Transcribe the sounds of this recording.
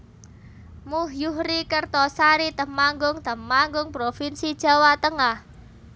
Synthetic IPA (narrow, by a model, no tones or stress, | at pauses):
muhjuhɾikərt̪ɔsaɾit̪əmaŋɡʊŋt̪əmːaŋɡʊŋpɾofinsid̥ʒ̥a̤wat̪əŋah